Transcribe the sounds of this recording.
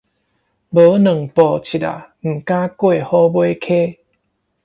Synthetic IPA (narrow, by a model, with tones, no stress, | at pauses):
bə˨˦nə˨˩ŋpɔ˨˩t͡ɕʰi˨˩ta̰˨˩m̩˨˩ka˦kwe˥˨hɔ˦bwo˦˧˦kʰe˦